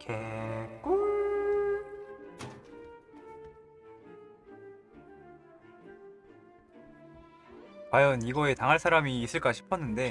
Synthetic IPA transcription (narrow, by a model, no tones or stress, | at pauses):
kʰek͈o | kwajʌniɡʌe̞taŋɦaɭsʰaɾamiːs͈ɯɭk͈aɕʰi̥pʰʌnːɯnde̞